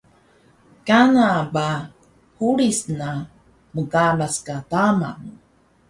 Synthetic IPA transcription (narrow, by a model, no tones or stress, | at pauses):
kanaba | huɭisna | məkalaskatama̰ŋ